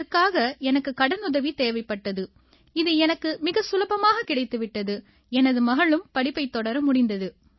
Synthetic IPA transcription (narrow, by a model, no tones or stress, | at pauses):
kːaːɣɐɛnɐkːɯkɐɽɐnʊðɐʋit̪eːʋɐɪpːɐʈːɐðɯ | ɪðɯɛnɐkːɯmɪɣɐsʊlɐbɐmaːɣɐkɪɽɐɪt̪ːɯʋɪʈːɐðɯ | ɛnɐðɯmɐɣɐɭɯmpɐɽɪpːɐɪt̪ːɔɽɐɾmʊɽɪnd̪ɐðɯ